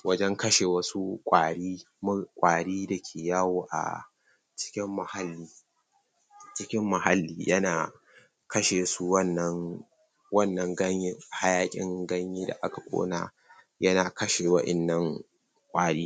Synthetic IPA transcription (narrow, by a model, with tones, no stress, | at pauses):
wɐ˦d͡ʒɛ˦ŋkɐ˦ʃeː˨wɐ˦su˦kʷʼaː˨ɽiː˦ | mʊ˦kʷʼaː˨ɽiː˦da˨kʲʰeː˨jaː˦woː˨ʔa̰˨ | t͡ʃɪ̥˦kʲɪ˦mːɐ˨ha˦lːiː˦ | t͡ʃɪ˦kʲɪ˦mːɐ˨ha˦lːiː˦jʔɐ˦naː˨ | kɐ˦ʃeː˨su˦wɐ˦nːɐ˦ŋ | wɐ˦˨nːɐ˨ŋɡɐ˦ɲɪ˦ha˦jaː˦kʲʼɪ̰˦ŋɡɐ˦ɲjiː˦da̰˨ʔa˦ka˨kʷʼo̰ː˦na̰ː˨ | jɐ˦naː˨kɐ˦ʃe˨wɐ˦ʔɪ̰˨nːɐ˦ŋ | kʷʼaː˨ɽiː˦